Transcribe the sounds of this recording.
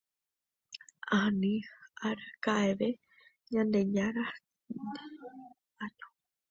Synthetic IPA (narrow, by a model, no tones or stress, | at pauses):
anĩaɾkaʔeβe | ɲãnd̪eɲaɾa | d̪a | aɲo̥